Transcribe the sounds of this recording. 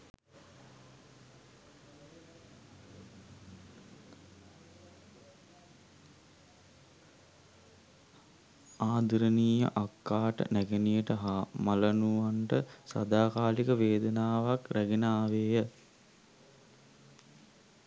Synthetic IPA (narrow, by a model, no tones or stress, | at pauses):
aːd̪iɾəniːjə̰ʔakːaːʈə̰næɡenijəʈəɦamalənuʋanʈəsa̰d̪aːkaːlikəʋeːd̪ənaːʋakræɡenaːʋeːjə